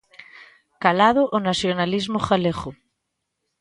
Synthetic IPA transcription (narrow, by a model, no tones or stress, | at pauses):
kalaðoʔonasjonalizmoxaleɣo